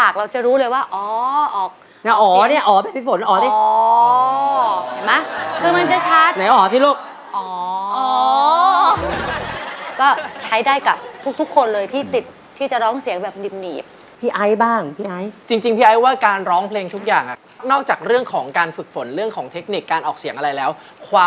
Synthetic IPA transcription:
pʰaː˨˩k̚ɾa˧wt͡ɕa˨˩ɾuː˦˥lɤː˧jwaː˥˩ʔɔː˨˩˦ʔɔː˨˩k̚ | na˦˥ʔɔː˨˦˧ni˥˩ɐʔɔː˨˩˦bɛː˨˩pʰiː˧˥˩fo˨˩˦nʔɔː˨˩˦t̪i˧˦˨ | ma˦˥kʰɯː˧ma˧nt͡ɕa˨˩t͡ɕʰa˦˥t̪na˨˦jʔɔː˩t̪ʰiː˥˩luː˥˩p̚ | ʔɔː˩˦ɔ | kɔː˥˩t͡ɕʰa˦˥jdaː˥˩jka˨˩p̚t̪ʰu˦˥k̚t̪ʰu˦˥kʰːo˧nlɤː˧jt̪ʰiː˥˩t̪i˨˩t̪̚ʰːiː˥˩t͡ɕa˨˩ɾɔː˦˥ŋsi˨˩˦əŋbɛː˨˩p̚niː˨˩p̚nḭː˨˩p̚ | pʰiː˧ʔa˦˥jbaː˥˩ŋpʰiː˧˩ʔa˧˥jt͡ɕi˧ŋt͡ɕi˧ŋpʰiː˧ʔa˧˥jwaː˥˩kaː˧nɾɔː˦˥ŋpʰleː˧ŋt̪ʰu˦˥k̚jaː˨˩ŋʔa̰˨˩ | nɔː˥˩k̚t͡ɕaː˨˩k̚ɾɯ˥˩əŋkʰɔː˩˦ŋkaː˧nfɯ˨˩k̚fo˩˦nɾɯ˥˩əŋkʰɔː˩˦ŋt̪ʰe˦˥k̚ni˨˩kːaː˧nʔɔː˨˩k̚si˨˩˦əŋʔa˧ɾa˧jlɛː˦˥w | kʰwaː˧

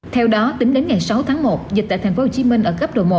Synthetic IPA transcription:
t̪ʰɛ˧wɗɔ˨˦t̪ï˨˦ŋɗe˨˦nŋa˨˩jsa˨˦wt̪ʰaː˨˦ŋmo˨˩t̚zi˨˩t̪a̰ː˧˨t̪ʰŋ̟fo˨˦ho˨˩t͡ɕi˨˦mï˧ŋ̟ʔəː˧˩xə˦˥p̚ɗo̰˨˩mo˨˩

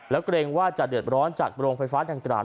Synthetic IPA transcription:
lɛː˦˥wkɾeː˧ŋwaː˥˩t͡ɕa˨˩dɯ˨˩ət̪̚ɾɔː˦˥nt͡ɕaː˨˩k̚ɾoː˧ŋfa˧jfaː˦˥tʰaː˧ŋkɾa̰ː˧

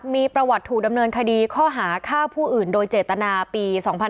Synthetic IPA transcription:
miː˧pɾa˧wa˨˩t̪ʰːuː˨˩k̚da˧mnɤː˧nkʰa˧diː˧kʰɔː˥˩ɦaː˩˦kʰaː˥˩wpʰuː˥˩ʔɯː˨˩ndoː˧jt͡ɕeː˨˩t̪ːa˧naː˧piː˧sɔː˩˦ŋpʰa˧

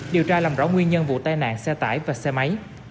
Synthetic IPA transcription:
ɗi˨˩əwt͡ɕaː˧laː˨˩mzɔ̰˨˦ŋwi˧ənɲə˧nvṵ˧˨t̪aː˧jna̰ː˧˨nsɛ˧t̪a̰ː˧˩jvaː˨˩sɛ˧ma˨˦j

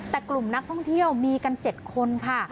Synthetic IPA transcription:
t̪ɛː˨˩klu˨˩mna˦˥k̚t̪ʰɔ˥˩ŋt̪ʰi˥˩əwmiː˧ka˧nt͡ɕe˨˩t̪̚kʰo˧nkʰa˥˩

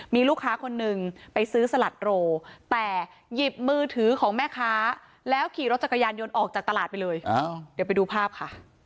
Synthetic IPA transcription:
miː˧luː˥˩kʰːaː˦˥kʰo˧nːɯ˨˩ŋpa˧jsɯː˦˥sa˧la˨˩t̪̚ɾoː˧t̪ɛː˨˩ | ji˨˩p̚mɯː˧t̪ʰɯː˩˦kʰɔː˩˦ŋmɛː˥˩kʰaː˦˥ | lɛː˦˥wkʰiː˨˩ɾo˦˥t̪̚t͡ɕa˨˩kʰːa˧jaː˧njo˧nʔɔː˨˩k̚t͡ɕaː˨˩k̚t̪a˧laː˨˩t̪̚pa˧jlɤː˧ja˧di˩˦pa˧jduː˧pʰaː˥˩p̚kʰa˥˩ʔ

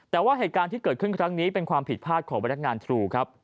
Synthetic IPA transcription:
t̪ɛː˨˩waː˥˩ɦeː˨˩t̪̚kaː˧nt̪ʰiː˥˩kɤː˨˩t̪̚kʰɯ˥˩kʰɾa˦˥ŋniː˦˥pe˧nkʰwaː˧mpʰi˨˩t̪̚pʰaː˥˩t̪̚kʰɔː˩˦ba˧nːa˥k̚ŋaː˧nt̪ʰɾuː˧kʰa˦˥p̚

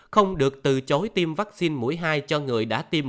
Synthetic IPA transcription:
xə˧wŋ͡mɗɨ˨˩ək̚t̪ɨ˨˩t͡ɕo˨˦jt̪i˧mvaː˦˥k̚si˧nmṵ˧˥əjɦaː˧jt͡ɕɔ˧ŋɨ˨˩əjɗa̰ː˧˥t̪i˧m

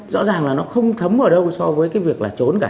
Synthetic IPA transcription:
zɔ̰˧˥zaː˨˩ŋlaː˨˩nɔ˨˦xə˧wŋ͡mt̪ʰə˨˦mʔəː˧˩ɗə˧wsɔ˧vəː˨˦jkaː˨˦jvi˨˩ək̚laː˨˩t͡ɕo˨˦nkaː˧˩

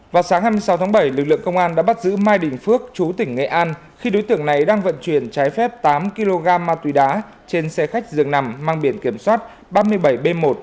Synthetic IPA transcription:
vaː˨˩wsaː˨˦ŋhaː˧jmɨ˧əjsa˨˦wt̪ʰaː˨˦ɓə˧˩jlɨ˨˩k̚lɨ̰˧˨əŋkə˧wŋ͡mʔaː˧nɗa̰ː˧˥ɓa˦˥t̚zɨ̰˧˥maː˧jɗï˨˩ŋ̟fɨ˦˥ək̚t͡ɕu˨˦t̪ï˧˩ŋ̟ŋḛ˧˨ʔaː˧n | xi˧ɗo˨˦jt̪ɨ˧˩əŋna˨˩jɗaː˧ŋvə̰˧˨nt͡ɕwi˨˧˩ənt͡ɕaː˨˦jfɛ˦˥p̚t̪aː˨˦mki˧lo˧ɣaː˧mːaː˧t̪wi˨˦ɗaː˨˦ | t͡ɕe˧nsɛ˧xa˦˥jk̟̚zɨ˨˩əŋna˨˩mmaː˧ŋɓi˧˩ənki˧˩əmswaː˦˥t̚ | ɓaː˧mɨ˧əjɓə˧˩jɓe˧mmo˨˩t̚

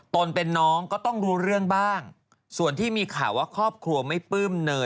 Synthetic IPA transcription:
t̪o˧npe˧nːɔː˦˥ŋkɔː˥˩t̪ɔ˥˩ŋɾuː˦˥ɾɯ˥˩əŋbaː˥˩ŋ | su˨˩ənt̪ʰiː˥˩miː˧kʰaː˩˦wa˦˥kʰɾɔː˥˩p̚kʰlu˧ɐma˥˩jpɯː˥˩mnɤː˧

